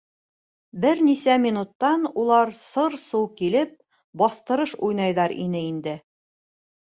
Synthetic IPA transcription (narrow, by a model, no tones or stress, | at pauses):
bɘɾnisæmʲinut̪ːɑnulˠɑɾsɤɾsuwkilɘp̚ | bɒθt̪ɤ̆ɾɤʃujnɑjðɑɾḭnɘind̪ɘ